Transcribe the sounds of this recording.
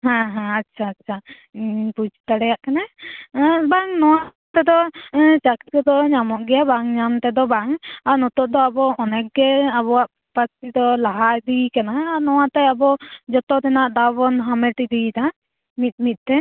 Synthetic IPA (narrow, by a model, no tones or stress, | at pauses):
ɦãɦãatːʃʰaːtːt͡ʃʰa | pud͡ʒt̪aɽɛjaʔkana | baŋnɔwa | t̪ɛd̪ɔt͡ʃakit̪̚kɛd̪ɔɲamɔʔɡɛjabaŋɲamt̪ɛd̪ɔbaŋaɾnɔt̪ɔʔ̚d̪ɔabɔɔnɛk̚ɡɛaβɔaʔ | past̪id̪ɔlaɦaɾd̪ikanaɦaɾnɔwat̪ɛabɔd͡ʒɔt̪ɔt̪ɛnaʔd̪abɔnɦamɛʈid̪it̪a | mit̪̚ˀmit̪̚ˀt̪ɛ